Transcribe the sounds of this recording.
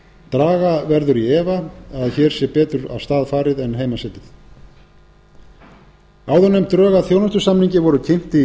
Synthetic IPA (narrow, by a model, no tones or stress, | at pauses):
t̪ɾaːɣavɛɾðʏɾiɛːvaaðçɛːɾ̥sɛpɛːt̪ʏɾa̰wst̪aːðfaːɾɪðɛnɦeːjmasɪp̪ɪθ | aːwðɔnejm̥t̪ɾœːɣaθjoːwnast̪ʏsamniɲcɪvɔɾʏcʰejm̥t̪ɪ